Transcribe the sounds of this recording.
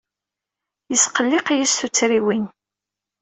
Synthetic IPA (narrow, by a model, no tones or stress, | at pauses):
jəsqəlːɪqijisθut͡sːɾiwin